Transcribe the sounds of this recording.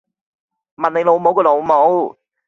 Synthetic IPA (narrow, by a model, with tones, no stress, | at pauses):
mɐ˨nle˨˧lo˨˧wmo˨˥wkɔ˧lo˨˩wmo˨˥w